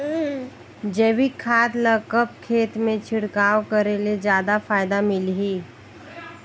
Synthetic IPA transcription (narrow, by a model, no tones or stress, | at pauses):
d͡ʒeːwikʰaːd̪ləkəp̚kʰeːt̪mẽt͡ʃʰɪɽkaːwkəɾeled͡ʒjaːd̪afaːɪd̪amɪlɦiː